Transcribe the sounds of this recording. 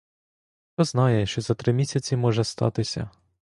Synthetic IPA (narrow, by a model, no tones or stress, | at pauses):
xt̪ɔznɑjɛʃt͡ʃɔzɐt̪ɾɪmʲisʲɐt͡sʲimɔʒɛst̪ɑ̰t̪ɪsʲɐ̰